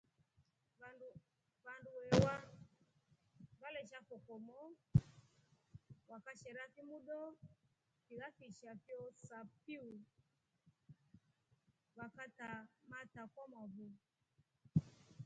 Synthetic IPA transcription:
βanduwɛwa | βalɛʃafɔkɔmɔ | wakaʃɛɾafimuɗɔ | fiɣafiʃafjɔsapiu | wakatamatakɔmɔβu

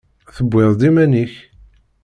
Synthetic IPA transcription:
θəbʷːeðˤd̪imæniç

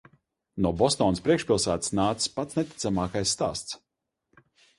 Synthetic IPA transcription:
nuɔbɔst̪ɔːnspɾiɛkʃpilˠsæːt̪snaːt̪sspat̪snɛt̪ʲi̥t̪samaːkajsːt̪a̰ːst̪s

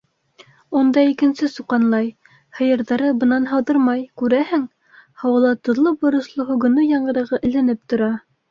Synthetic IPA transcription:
und̪ɑikɘ̆nsɘsuqɑnlˠɑj | hɤ̆jɤ̆ɾðɑɾɤbɤ̆nɑnɦɑwðɤɾmɑjkʉɾæhɘŋ | hɑwɤ̆lˠɑt̪ŏðlˠɤbŏɾɤ̆ʃlˠɤhuɡɤ̆nɤjɑɴɢɤ̆ɾɤ̆ʁɤʔɘ̆lænɘp̚t̪ŏɾɑ

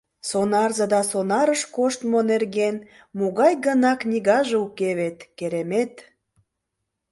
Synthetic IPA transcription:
sonɑrzəd̪ɑsonɑɾəʃkoʃt̪monerɣen | moɣɑjɣənɑknʲiɣɑʒeukeβet̪keɾemet̪

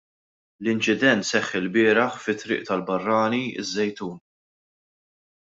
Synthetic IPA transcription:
lɪnt͡ʃɪd̪ɛnt̪sɛχːɪlbɪːɾɐħfɪt̪ːɾɪ̰ːʔt̪ɐlbɐrːɐːniɪ̰zːɛjt̪uːn

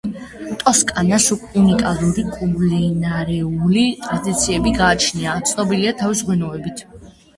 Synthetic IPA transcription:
t̪ʼɔskʼanasukʰɛunikʼalˠuɾikʼublinaɾɛulit̪ʼɾad̪it̪sʰiɛbiɡaːt͡ʃʰniat̪sʰnɔbiliat̪ʰavisʁwɛnɔɛbit̪ʰ

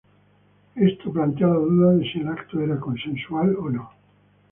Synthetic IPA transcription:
est̪oplant̪javad̪uðaðeselakt̪oɛɾakonsensualonɔ̃

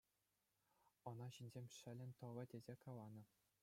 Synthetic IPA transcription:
ɤ̆nɑɕinʲzʲemʲʂɘ̆lʲɘ̆nʲt̪ɤ̆ʋɤ̆dʲezʲekɑlˠɑnɤ̆

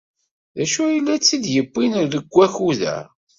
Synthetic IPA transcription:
ðæʃujəlːæt͡sːid̪jəbːinəɾðəɡʷːæçuðæ̰

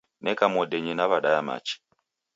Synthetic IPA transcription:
nekamodeɲinaβaɗajama̰t͡ʃi̥

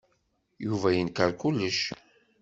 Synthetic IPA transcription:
juvæjənkaɾkulːəʃ

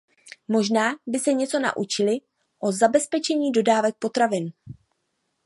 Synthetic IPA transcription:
mo̞ʒnaːbɪsɛɲɛt͡so̞na̰ʔut͡ʃɪlɪ | ʔo̞zabɛspɛt͡ʃɛɲiːdo̞daːvɛk̚po̞t̪ɾavɪn

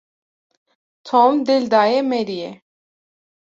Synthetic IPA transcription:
t̪ʰomd̪eld̪aːjɛmɛɾijɛ

